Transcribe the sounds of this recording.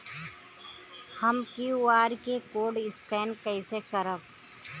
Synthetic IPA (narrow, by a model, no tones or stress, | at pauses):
həmkiaːɾkekoːɖɪskɛːnkəɪsekəɾəb